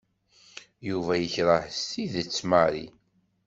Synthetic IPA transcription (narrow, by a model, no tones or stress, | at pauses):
juvæjəçɾˤəħst̪iðət͡sːmaɾḭ